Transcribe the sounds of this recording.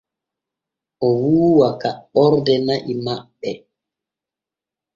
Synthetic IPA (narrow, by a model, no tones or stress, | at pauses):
ʔɔwuːwakaɔɾdɛnaʔimaɓːɛ